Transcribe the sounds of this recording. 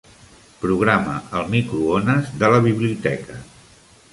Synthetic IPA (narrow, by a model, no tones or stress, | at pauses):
pɾuɣ̞ɾamə̰ʔəlˠmikɾuonəzd̪ələβ̞iβliut̪ɛkə